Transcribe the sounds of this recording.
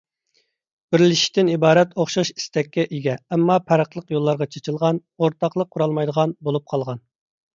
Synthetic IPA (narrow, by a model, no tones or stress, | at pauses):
b̥ɪɾlɪʃi̥t̪ɪnibɑːɾɛt̪ʰoχʃɑʃi̥st̪ɛkʲːɛʔiɡʲɛːmːɑpʰæɾəqlˠəqjolˠːɑɾʁɑt͡ʃʰet͡ʃʰilˠʁɑnoɾt̪ʰɑqlˠəqʰːuɾɑlˠmɑjd̪əʁɑnbolˠup̚qʰɑlˠʁɑn